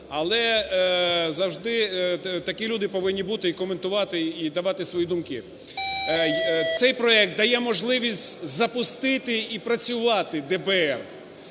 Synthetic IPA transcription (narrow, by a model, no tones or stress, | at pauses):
ɐlˠɛ | zɐwʒd̪ɪt̪ɐkʲilʲud̪ɪpɔʋɪnʲːibut̪ɪikɔment̪ʊʋɑt̪ɪid̪ɐʋɑt̪ɪsʋɔjid̪umkʲɪ | t̪sɛjpɾɔɛk̚t̪̚d̪ɐjɛmɔʒlˠɪʋʲisʲtʲzɐpʊst̪ɪt̪ɪipɾɐt͡sʲʊʋɑt̪ɪd̪ɛbɛɛr